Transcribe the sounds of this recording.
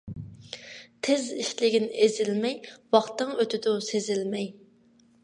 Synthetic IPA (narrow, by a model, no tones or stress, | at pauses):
t̪ʰeziʃlɪɡʲinɪezɪlmɛjwɑχt̪ɨŋøt̪ɪd̪ʊsezɪlmɛj